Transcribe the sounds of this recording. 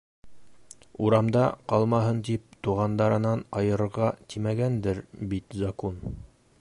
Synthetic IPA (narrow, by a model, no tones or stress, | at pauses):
uɾɑmd̪ɑqɑlˠmɑɦɤnt̪ip̚t̪uʁɑnd̪ɑɾɤ̆nɑnɑjɤ̆ɾɤ̆ɾʁɑt̪imæɡænd̪ɘɾbit̪zakon